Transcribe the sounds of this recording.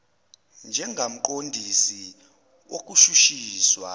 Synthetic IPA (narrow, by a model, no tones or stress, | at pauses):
nd͡ʒʱɛŋɡʱam̩ǃ̬ʼondʱisi | wok̬ʼuʃuʃiːswa